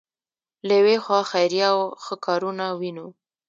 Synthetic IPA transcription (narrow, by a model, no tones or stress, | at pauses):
lajwexwɑxajɾjawxəkʰɑɾunawino